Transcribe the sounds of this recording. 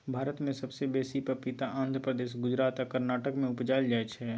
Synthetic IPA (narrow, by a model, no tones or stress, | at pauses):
bʱaːɾət̪mẽsɐbsebeːsipəpɪt̪aʔãːnd̪ʱɾəpɾəd̪eːʃ̬ɡʊd͡ʒɾaːt̪akəɾnaːʈəkmẽʊpd͡ʒaːld͡ʒaːet͡ʃʰɛ